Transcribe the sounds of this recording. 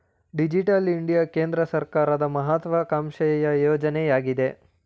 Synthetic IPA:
ɖid͡ʒiʈɐliɳɖijakeːnd̪ɾɐsɐɾkaːɾɐd̪ɐmɐɦat̪ʋɐkaːmʃɐjɐjɐjɔːd͡ʒɐnɛjaːɡid̪e̞

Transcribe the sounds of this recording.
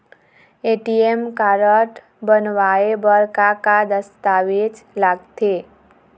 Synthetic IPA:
eʈiemkaɾəʈ | bənʋaebəɾkakad̪əst̪aʋet͡ʃlaɡt̪ʰe

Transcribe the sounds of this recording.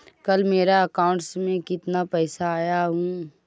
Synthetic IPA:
kɐlmeːɾaɐkaːʊ̃ɳʈsmẽkɪt̪napɛːsaaːjaɦũː

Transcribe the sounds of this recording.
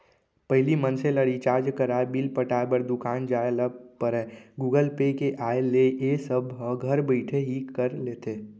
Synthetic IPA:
pəɦlimənseləɽit͡ʃaːɾd͡ʒkəɾaebilpəʈaːebəɾd̪ʊkaːnd͡ʒaːeləpəɾɛːɡuːɡəlpekeʔaːeleʔesəbʱɦə̃ɡʱəɾbəɪʈʰeɦikəɾleːt̪eː

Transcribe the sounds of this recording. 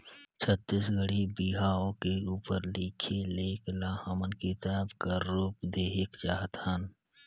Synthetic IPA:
t͡ʃʰət̪ːisɡəɽ̤ibiɦaːõkeuːpəɾliːkʰeleːklahəmənkit̪əəbkəɾːuːpd̪eːɦɪkd͡ʒaːɦt̪hən

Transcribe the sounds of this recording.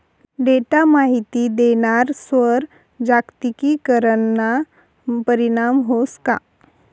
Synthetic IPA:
ɖeʈamaɦit̪id̪eñaɾsʋəɾ | d͡ʑakt̪ikikəɾəɳna | pəɾiɽ̃amɦoska̰

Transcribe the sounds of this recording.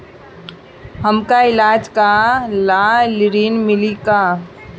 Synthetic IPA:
hɐmkaɪlaːd͡ʒkalaːlɪɾiːnmɪlikaː

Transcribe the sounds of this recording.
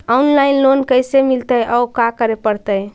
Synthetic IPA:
ɔunlainlonkəjsemilt̪əjʔɔʊkakəɾepəɽt̪əj

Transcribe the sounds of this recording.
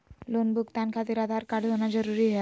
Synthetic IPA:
lonbʱʊɡt̪ankʰat̪iɾaːd̪ʱaɾkaɾɖɦonad͡ʒəɾuɾiɦɛ

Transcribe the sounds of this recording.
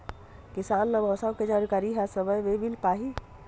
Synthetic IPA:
kisaːnːɐbʱəsawked͡ʒaɾkaɾiɦasəbəjʋebilpaːɦi

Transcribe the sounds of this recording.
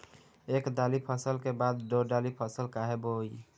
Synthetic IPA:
eːkd̪alipʰəsəlkebaːd̪ːoɖalipʰəsəlkaɦeboi

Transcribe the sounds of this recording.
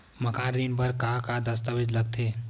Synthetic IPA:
məkʰãɾinpəɾkakad̪əst̪əbed͡ʒləɡ̚t̪ʰe

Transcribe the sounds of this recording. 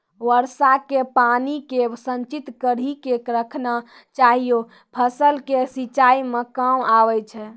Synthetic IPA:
ʋəɾsakepanikesənt͡ʃit̪kəɾikekɾəkʰna | t͡ʃaɦijo | pʰəsəlkesit͡ʃaimekamaʋɛt͡ʃʰɛ

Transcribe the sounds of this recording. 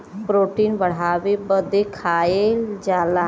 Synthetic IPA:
pɾoːʈiːnbəɽ̤aːʋebəd̪ekʰaːeld͡ʒaːla

